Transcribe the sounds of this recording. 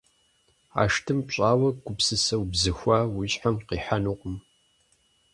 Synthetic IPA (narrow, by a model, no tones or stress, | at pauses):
a̰ːʂtʰɨmɕʼaːwɐɡ̥ʷʊpsɨsɐwbzɨxʷaːwʊɕħamqiːħanuqʷʼʊm